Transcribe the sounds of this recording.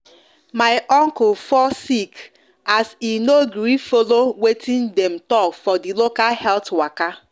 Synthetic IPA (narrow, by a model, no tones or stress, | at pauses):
maɪʔɔŋkʊlfɔsik | asinoɡɾifolowetʰɪ̃ndɛmtɔkfɔdilokalhɛltwaka